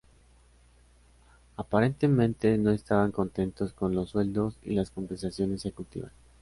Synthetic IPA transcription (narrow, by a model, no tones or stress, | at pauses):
apaɾe̞nt̪e̞mẽ̞nt̪e̞no̞e̞st̪aβaŋko̞nt̪e̞nt̪o̞sko̞nlo̞sːwe̞ld̪o̞sḭlasko̞mbensasjo̞nes̬ekut̪ḭβa̰s